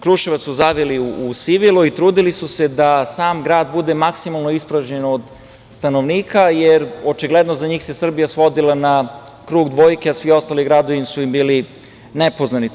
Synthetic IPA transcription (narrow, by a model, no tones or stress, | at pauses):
kɾuʃeʋat̪sːuzaʋiliuusiʋilˠuit̪ɾuːd̪ilisuse̞d̪asaːmɡɾaːd̪̚bud̪e̞maksimalˠnoispɾaʒɲenod̪ | st̪ano̞ʋniːkajeɾo̞t͡ʃiɡled̪nozaɲiːxse̞sr̩bijasʋo̞d̪ilˠanakɾuːɡd̪ʋo̞ːjke̞asʋio̞st̪aliɡɾad̪oʋinsuimbiːli | nepo̞znani